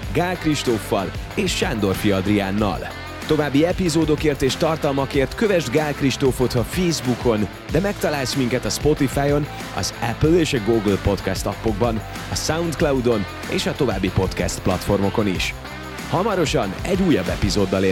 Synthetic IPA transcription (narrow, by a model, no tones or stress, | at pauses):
ɡaːlkriʃt̪ofːɒ̰leːʃʃand̪o̞rfiɒd̪riaːnːɒ̰l | t̪o̞vaːbːiɛpizoːd̪o̞keːrt̪eːʃt̪ɒrt̪ɒlmɒkeːrt̪køvɛʒd̪ɡaːlkriʃt̪ofo̞t̪ɒfeːzbukʰo̞n | d̪ɛmɛkt̪ɒlaːlsmiŋkɛt̪ɒspo̞t̪ifaːjo̞n | ɒ̰zɛpleːʃɒɡoːɡlpo̞t̪kɛst̪ɒpːo̞ɡbɒn | ɒsaunt̪klɒwd̪o̞n | ḛːʃɒt̪o̞va̰ːbːipo̞t̪kɛst̪plɒ̰t̪fo̞rmo̞ko̞niʃ | hɒmɒɾo̞ʃɒnɛɟːuːjːɒbːɛpizoːd̪ːɒle